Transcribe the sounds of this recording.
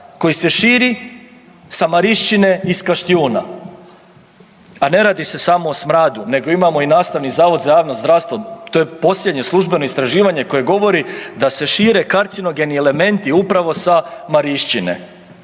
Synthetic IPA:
ko̞jise̞ʃiːɾi | samaɾiʃt͡ʃine̞iskaʃt̪iuːna̰ | ane̞ɾaːd̪ise̞samo̞ːsmɾaːd̪une̞ɡo̞imamo̞inaːst̪aʋnizaːʋo̞d̪zajaːʋnozd̪ɾaʋst̪ʋot̪ojepo̞sʎʲjed̪ɲe̞slˠuʒbe̞no̞ist̪ɾaʒiːʋaɲe̞ko̞je̞ɡo̞ʋo̞ɾid̪ase̞ʃiːɾe̞kaɾt̪sino̞ɡe̞niele̞me̞nt̪iupɾaʋo̞samaɾiʃt͡ʃinḛ

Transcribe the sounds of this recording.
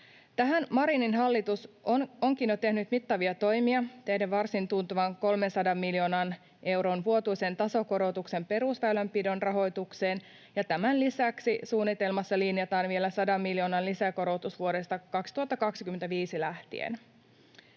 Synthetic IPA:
t̪æɦænmɑɾininɦɑlːit̪usoŋkinjot̪e̞hnyt̪mit̪ːɑʋiɑt̪o̞jmiɑt̪ehdeʋʋɑrsint̪unt̪uʋɑŋko̞lmensɑdɑmːiljo̞ːnɑn | ʔe̞wɾo̞ːnʋuo̞t̪ujsent̪ɑso̞ko̞ɾo̞wt̪ukse̞mpe̞ɾusʋæylæmpido̞nrɑɦo̞jt̪ukse̞ːn | jɑt̪æmænlisæksisuːnːit̪e̞lmɑsːɑlinjɑt̪ɑːnʋie̞læsɑdɑmːiljo̞ːnɑnlisæko̞ɾo̞wt̪usʋuo̞de̞st̪ɑkɑkst̪uhɑt̪ːɑkɑksik̟ymet̪æʋiːsilæht̪ḭḛn

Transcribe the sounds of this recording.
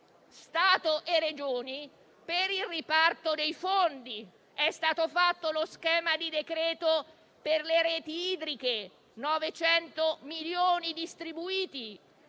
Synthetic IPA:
st̪aːt̪oʔered͡ʒoːni | peɾilripart̪od̪ejfond̪i | ɛst̪aːt̪ofat̪ːoloskɛːmad̪id̪ekɾɛːt̪o | perleɾɛːt̪iiːd̪ɾike | nɔvet͡ʃɛnt̪omiljoːnid̪ist̪ɾibuiːt̪i

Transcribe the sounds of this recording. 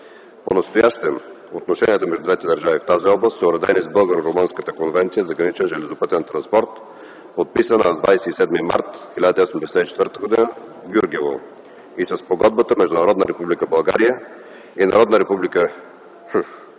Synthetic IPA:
ponɐst̪ojaʃt̪ɛm | ot̪noʃɛniət̪əmɛʒd̪ud̪vɛt̪ɛd̪əɾʒavift̪aziɔblˠəst̪səʊɾɐd̪ɛnizbɤlˠɡəɾoɾomɤnskət̪əkonvɛnt̪sijəzɐɡɾɐnit͡ʃɛnʒɛlɛzopɤt̪ɛnt̪ɾɐnspɔɾt̪ | pot̪̚pisənəd̪vajsɛisɛd̪mima̰ɾt̪xilʲad̪əiɔsɛmd̪ɛsɛt̪ɛit͡ʃɛt̪vəɾt̪əɡod̪inə | ɡʲjuɾɡɛvo̰ | isɐspoɡɔd̪bət̪əmɛʒd̪ʊnɐɾɔd̪nəɾɛpublikəbɐlˠɡa̰ɾijə | inɐɾɔd̪nəɾɛpublikə

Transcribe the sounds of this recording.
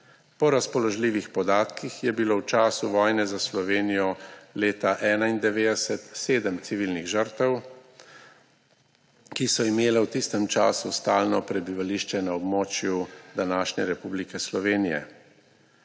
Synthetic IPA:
pɔɾaspɔlɔʒliːʋixpɔd̪aːt̪kixjɛbilowt͡ʃaːsuʋɔːjnɛzaslɔʋeːnijɔleːt̪aʔɛːnaind̪ɛʋeːd̪ɛsɛt̪seːd̪əmt̪siʋiːlniɣʒəɾt̪ɛw | kisɔimeːlɛwt̪ist̪ɛmt͡ʃa̰ːsust̪aːlnɔpɾɛbiʋaliːʃt͡ʃɛnaɔbmɔːt͡ʃjud̪anaːʃɲɛɾɛpublikɛslɔʋeːnijɛ̰

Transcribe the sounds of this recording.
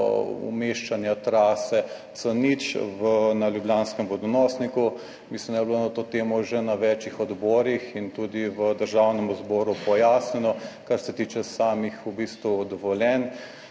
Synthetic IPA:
ṵmeːʃt͡ʃanjat̪ɾaːsɛt̪sənit͡ʃʋənaljubljaːnskɛmʋɔd̪ɔnɔsniku | mislimd̪ajblonat̪oːt̪eːmɔʒɛnaʋɛt͡ʃixɔd̪bɔːɾixint̪uːd̪iʋəd̪əɾʒaːwnɛmuzbɔːɾupɔjaːsnɛnɔkaɾsɛt̪iːt͡ʃɛsaːmixubist̪ʋud̪ɔʋɔljɛn

